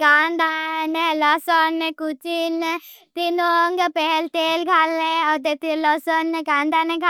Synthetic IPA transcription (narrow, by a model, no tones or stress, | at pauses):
kaːnd̪anelɔsɔnekut͡ʃin | t̪inoŋɡpɛɦɛlt̪eːlɡʱaːleɔt̪et̪ilɔsɔnekãːnd̪aneɡʱa